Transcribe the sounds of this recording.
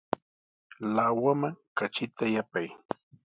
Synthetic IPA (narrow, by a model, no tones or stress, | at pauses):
lawamaŋkat͡ʃɪt̪ajapaj